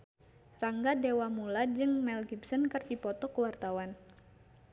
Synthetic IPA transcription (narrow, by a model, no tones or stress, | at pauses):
raŋɡadewamulad͡ʒɨŋmɛlɡipsənkərdipɔt̪ɔkəwart̪awan